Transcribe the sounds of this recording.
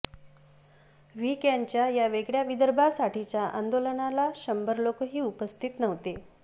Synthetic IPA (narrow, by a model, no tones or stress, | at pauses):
ʋiːkjaɲt͡ɕjajaʋeɡɭjaʋid̪əɾbʱasaʈʰit͡ɕjaʔa̰nd̪olənalaɕəmbəɾlokəɦiːupəst̪ʰit̪nəʋt̪e